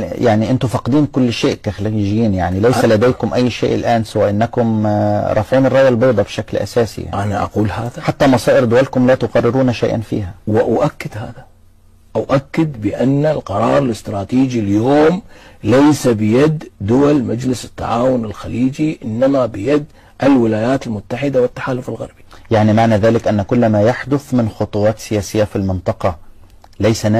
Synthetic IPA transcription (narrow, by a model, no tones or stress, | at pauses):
jaʕniʔɪnt̪ʊfɑqd̪iːnkʊlːʃeːʔkaxliʒɪjiːnjaʕnilajsalad̪eːkʊmʔajːʃḛːʔɪlʔaːnsawaːʔɪnːakʊmɾˤɑfʕiːnɑrˤːɑʔjɑlbɑʔd̪ˤɑbʃaklʔa̰saːsḭa̰ʔanaʔa̰quːlhaːðaħat̪ːamɑsɑːʔɪɾd̪ʊwalkʊmlat̪ʊqɑrˤːɪɾuːnaʃajʔa̰nfḭːɦawɪʔaʔakːɪd̪ha̰ːða | ʔaʔakːɪd̪bɪʔanːalqɑɾˤɑ̰ːɾˤɪlɪst̪ɾˤɑːt̪iːd͡ʒiljoːmlajsabɪjad̪d̪ʊwalmad͡ʒlɪsɪ̥t̪ːa̰ʕaːwʊnɪlxaliːd͡ʒiʔɪnːamabɪjad̪ | ʔɪlwɪlaːjaːt̪ɪlmʊt̪ːaħɪd̪awɪt̪ːaħaːlʊfɪlɣɑ̰ɾˤbi̥jaʕnimaʕnaːðaːlɪkʔanːækʊlːmajaħd̪ʊθmɪnxot̪ˤuwɑːt̪sɪjaːsɪjːafilmɪnt̪ˤɑqɑ | lajsæ